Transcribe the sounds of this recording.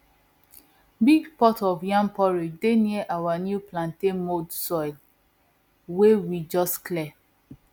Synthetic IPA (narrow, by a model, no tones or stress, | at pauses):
biɡpɔtɔvjãmpɔɹideniʔawanjuplãntenmodsɔɪl | wewid͡ʒɔstklɛ